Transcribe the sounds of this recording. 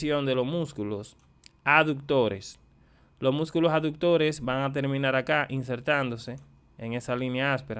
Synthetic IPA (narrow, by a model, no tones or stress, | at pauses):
jõnd̪elosmuskulos | aðuk̚t̪oɾes | losmuskulosaðuk̚t̪oɾesbaŋat̪̬eɾmĩnaɾakaʔinseɾt̪and̪ose | eŋesalinjaaspeɾa